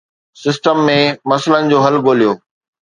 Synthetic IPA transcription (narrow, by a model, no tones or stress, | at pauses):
sɪsʈəmːẽmɐslənɪ̆d͡ʑoːɦɐlɡoːlijoː